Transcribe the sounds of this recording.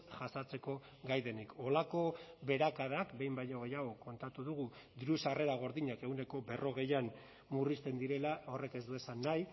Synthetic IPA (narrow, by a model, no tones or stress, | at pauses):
ʝasat͡se̞ko̞ | ɡajðe̞nikʰo̞lako̞βe̞ɾakaðakbe̞jmbajɲoɣejaɣ̞o̞ko̞nt̪at̪uðuɣ̞u | d̪iɾusare̞ɾaɣ̞o̞ɾðiɲakeɣune̞ko̞be̞rʔo̞ɣ̞e̞jan | murist̪e̞nd̪iɾe̞lao̞re̞ke̞zd̪ue̞sanːaj